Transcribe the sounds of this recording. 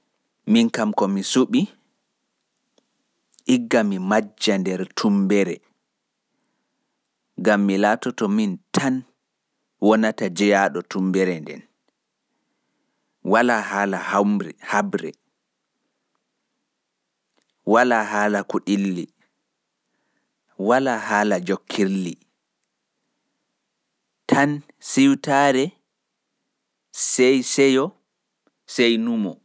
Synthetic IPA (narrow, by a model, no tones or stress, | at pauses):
minkamkɔmisuɓi | ʔiɡːamimad͡ʒːandɛɾtʰumbɛɾɛ | ɡamːilaːtɔtɔmintʰan | wɔnatad͡ʒɛjaɗɔtumbɛɾɛndɛ̰n | walahalahahabɾɛ̰ | walaɦaːlakuɗilːi | walahaːlad͡ʒokʰːili | tʰan | siwtaɾɛ | sɛjsɛjɔ | sejnumɔ̰